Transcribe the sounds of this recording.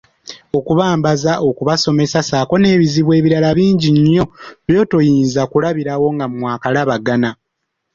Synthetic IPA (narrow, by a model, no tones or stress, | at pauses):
o̞kuβaːmbazaʔo̞kuβaso̞me̞sasaːko̞ne̞ːβiziβwe̞ːβiɾalaβiːɲɟiɲːo̞βjo̞ːto̞jiːnzakulaβiɾawo̞ŋɡammwaːkalaβaɡana